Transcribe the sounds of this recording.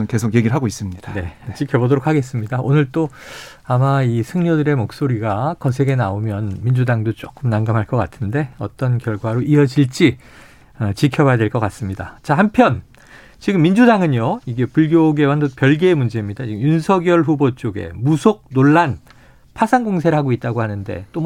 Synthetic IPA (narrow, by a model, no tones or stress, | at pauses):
ɯnke̞sʰokjeɡiɾɭɦaɡois͈ɯmɲidne̞t͡ɕikʰjʌbodoɾokʰaɡe̞s͈ɯmɲidaʔonɯɭt͈o | amaisʰɯŋɲʌdɯɾe̞mok̚s͈oɾiɡakʌs̬ʰe̞ɡe̞naomjʌnmind͡ʑudaŋdot͡ɕ͈ok͈ɯmnamɡamɦaɭk͈ʌk͈atʰɯnde̞ʌt͈ʌnkjʌɭɡwaɾoiʌd͡ʑiɭt͡ɕ͈i | ʌt͡ɕikʰjʌbajadweɭk͈ʌk͈as͈ɯmɲida̰t͡ɕahampʰjʌn | t͡ɕiɡɯmːind͡ʑudaŋɯɲjoiɡe̞puɭɡjoɡe̞wandokjʌɭɡeːmund͡ʑe̞imɲidat͡ɕiɡɯmjunsʰʌɡjʌɭɸubot͡ɕ͈oɡe̞̰musʰok̚noɭːan | pʰasʰaŋɡoŋsʰe̞ɾɦaɡoit̚t͈aɡohanɯnde̞̰t͈o